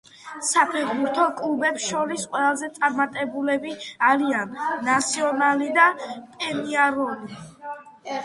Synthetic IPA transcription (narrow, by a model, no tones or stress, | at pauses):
sapʰɛχbuɾt̪ʰɔkʼlˠubɛpsʃɔɾisqʼwɛlˠazɛt̪sʼaɾmat̪ʼɛbulɛbiaɾianːat̪sʰiɔnalid̪apʼɛniaɾɔli